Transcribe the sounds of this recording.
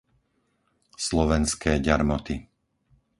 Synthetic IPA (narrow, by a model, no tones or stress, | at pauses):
slɔʋɛnskʰɛːɟaɾmɔt̪i